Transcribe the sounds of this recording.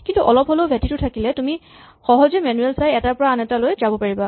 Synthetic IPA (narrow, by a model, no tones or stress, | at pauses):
kintuʔɔlɔpɦɔlobʱɛtitʊtʰakilɛtumi | xɔɦɔzemɛnuɛlsajɛtapɔɹaːnɛtalojzabɔpaɹiba